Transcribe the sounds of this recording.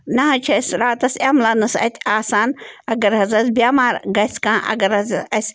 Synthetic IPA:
nɐɦɐt͡ʃʰɐsɾaːt̪ɐsɐmlɐnɐsɐ̰t̪ʰʲaːsaːnɐɡɐɾɦɐzɐsbʲaːmaːɾɡɐsʲkãːʔɐ̰ɡɐɾɐzɐɐsʲ

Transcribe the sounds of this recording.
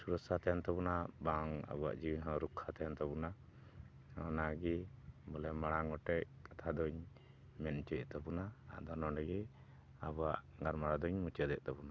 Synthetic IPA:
suɾɔsat̪aɛnt̪ɔbɔnabaŋa̰bɔa̰ʔd͡ʒiwiɦɔ̃ɾukʰːat̪ajɔnt̪ɔbɔna | ɔnaɡibɔlɛmaɽaŋɔʈɛʔkat̪ʰad̪ɔɲ | mɛnt͡ʃɛt̪ɔbɔnaa̰ʔd̪ɔnɔɖɛɡɛ | abɔwaʔŋaɾmaɽad̪ɔɲmut͡ʃɛd̪ɛʔt̪ɔbɔna

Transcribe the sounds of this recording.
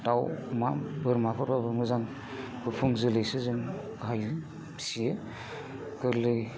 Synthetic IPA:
tawmabɯɾmapʰɯɾbabɯɾmɯzaŋ | b̥ɯpʰɯŋzɯlɯjsɯzɯn | ɡaj | sijɯ | kɯɾlɯj

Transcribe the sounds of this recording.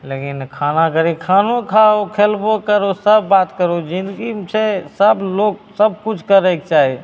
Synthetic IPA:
lekinkʰaːnakəɾikʰaːnokʰaokʰeːlbokəɾosəbːaːt̪kəɾod͡ʒɪ̃nd̪ɡit͡ʃʰesəbloːksəb̚kʊt͡ʃʰkəɾəek̚t͡ʃaːɦe

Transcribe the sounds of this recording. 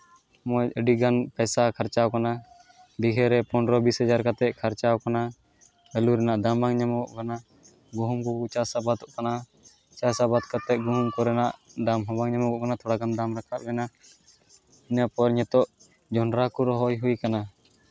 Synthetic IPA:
mɔjəɖiɡanpɛjsakʰaɾt͡ʃawkana | ɖiɡɛɾɛpɔnɾɔbishɛd͡ʒaɾkat̪ɛt̪̚kʰaɾt͡ʃawkana | bɛluɾɛnaʔd̪amaŋɲamɔɔʔkana | ɡuɦumkɔut͡ʃasabat̪ɔʔkana | t͡ʃasabat̪kat̪ɛʔ̚ɡuɦumkɔɾɛnaʔd̪amɦɔ̃baŋɲamɔkɔʔkanat̪ʰɔɽaɡand̪amɾakʰat̪̚bɛna | iɲapɔɾɲɛt̪ɔʔ | d͡ʒɔnɾakuɾɔɦɔjɦujkana

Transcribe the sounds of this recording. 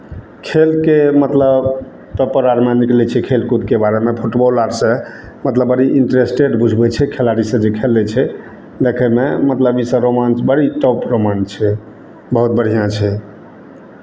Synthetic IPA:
kʰelkemət̪ləb | t̪əpəɾaɾmeniklɛt͡ʃʰɛkʰelkud̪kebaɾemepʰuʈbɔlaɾsẽ | mət̪ləbəɾiʔiɳʈɾesʈeɖbʱud͡ʒʱbɛt͡ʃʰɛkʰelaɽisə̃d͡ʒekʰelːɛt͡ʃʰɛ | d̪ekʰɛmemət̪ləbisə̃ɾomansbəɽiʈɔpɾomant͡ʃʰɛ | bəɦut̪̚bəɽ̤ijãt͡ʃʰɛ

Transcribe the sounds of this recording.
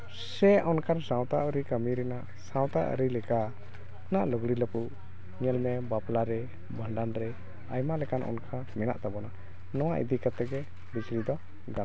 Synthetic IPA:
sɛɔnkaɾsãwt̪aʔəɾikəmiɾɛna | sãw̃t̪aʔə̰ɾilɛka | naʔlɔɡɽiləpuʔ | ŋɛlmɛbaplaɾɛ | bʱəɳɖanɾɛ | ajmalɛkanʔɔ̰nkʰa | mɛna̰ʔt̪abɔna | nɔwaʔḭd̪ikat̪ɛɡɛ | bit͡ʃɾid̪ɔ | ɡan

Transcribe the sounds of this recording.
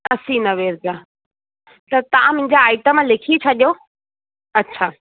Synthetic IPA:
ɐsinɐʋeːɾɡaː | t̪ɐt̪ɐʋ̤ãmʊ̃ɦɪ̃ɲd͡ʑaaːɪʈəmlekʰit͡ɕʰɐɗijo | ɐtːɕʰaː

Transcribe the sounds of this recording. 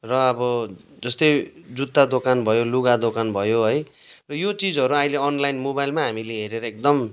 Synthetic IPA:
rʌːbʌ | d͡zʌst̪ʌjd͡zut̪ːad̪okanbʱʌjoluɡad̪okanbʱʌjoɦʌj | rʌjot͡sid͡zɦʌɾuaĩleʌnlajnmobajlmaɦamileɦeɾeɾʌek̚d̪ʌm

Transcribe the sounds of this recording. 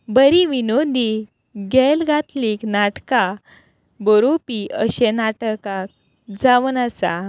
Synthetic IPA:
bəɾiʋinod̪i | ɡɛlɡat̪liknaʈka | bɔɾopiəɕenaʈəkak̚ | d͡zaʋənasa̰

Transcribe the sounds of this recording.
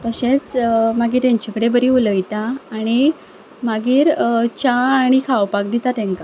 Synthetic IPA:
t̪əɕẽt͡smaɡiːɾt̪aɲt͡ɕakəɽebəɾiːuləjt̪aːɽ̃i | maɡiːɾt͡ɕaːɽ̃ikʰaʋpak̚d̪it̪at̪ɛ̃ŋka

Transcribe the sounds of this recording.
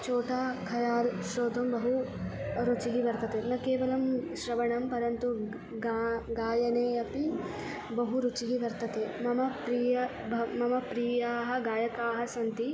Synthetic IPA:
t͡ʃoːʈaːkʰɐjaːlʃɾoːd̪ʱɐmbɐɦu | ɾut͡ʃiɦiʋɐɾt̪ɐt̪eːnɐkeːʋɐlɐmʃɾɐʋɐɳɐmpɐɾɐnt̪u | ɡɡaːjɐneːɐpi | bɐɦuɾut͡ʃiɦiʋɐɾt̪ɐt̪eːmɐmɐpɾiːjɐ | ɐmɐmɐpɾiːjaːɦɐ̆ɡaːjɐkaːɦɐsɐnt̪i

